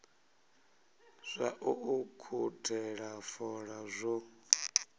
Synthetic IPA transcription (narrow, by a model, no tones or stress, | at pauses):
z̥ʷaʔuʔukʰutʰɛɺafɔɺazʷɔ